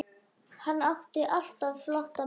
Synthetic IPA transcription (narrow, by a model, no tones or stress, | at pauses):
hanːaht̪ɪʔal̥t̪avflaht̪a